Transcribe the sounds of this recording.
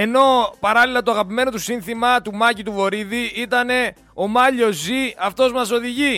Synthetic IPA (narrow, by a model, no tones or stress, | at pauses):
e̞no̞pɐɾɐlilɐt̪oɐɣɐpime̞no̞t̪usinθimɐt̪umɐcit̪uvo̞ɾiðiit̪ɐne̞ | o̞mɐʎo̞zːiɐft̪o̞zmɐso̞ðiʝi